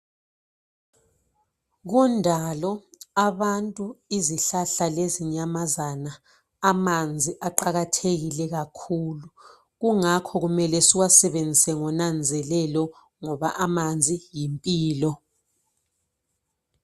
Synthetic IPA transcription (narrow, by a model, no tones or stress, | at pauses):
ɣ̬undʱalɔaβantʼuiziɬaɬaleziɲamazanaː | mand͡zʱiʔaǃaɣatʰeɣilɛɣakʰulu | ɣuŋakʰɔɣumɛlɛsiwasɛβend͡zʱisɛŋɔnand͡zʱɛlɛlɔ | ŋɔβaʔamand͡zʱijimpʼiːlɔ